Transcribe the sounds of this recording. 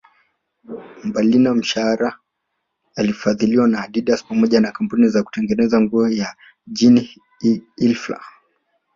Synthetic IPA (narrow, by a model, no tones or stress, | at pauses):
mbalinam̩ʃaaɾa | alifaðiliwanaːɗiɗaspamɔʄanakampunizaku̥tɛŋɡɛnɛzaŋɡuɔja | ʄini | ilfla̰